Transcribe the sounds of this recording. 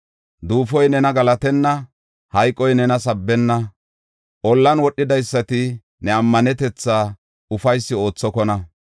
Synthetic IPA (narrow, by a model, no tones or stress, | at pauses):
d̪uːfɔjnɛnɐɡɐlɐt̪ɛnːɐ | hɐjkʼːɔjnɛnɐsɐbːɛnːɐ | ʔɔlːɐnwɔɗːɪd̪ɐjsːɐt̪ɪ | nɛɐmːɐnɛt̪ɛt͡sːaː | ʊfɐjsːɪo̞ːt͡sːɔkɔnɐ